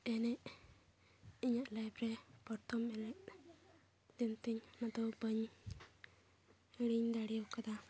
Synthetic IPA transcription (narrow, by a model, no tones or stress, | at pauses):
ɛnɛʔ | iɲaʔlajpɾɛpɔɾt̪ɔmɛnɛʔ | d̪int̪iɲmat̪ɔbəɲ | ɽiɲd̪aɽiɔkad̪a